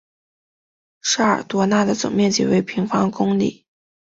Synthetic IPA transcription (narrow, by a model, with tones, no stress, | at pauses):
ʂa˥ə̰˞˨˩t̪wɔ˧˥na˥˩d̪ə˩t͡sʊ̰˨˩ŋmjɛ˥˩nt͡ɕḭ˨˩we˧˥ɪpʰi˧˥ŋfɑ˥ŋkʊ˥ŋlḭ˨˩˦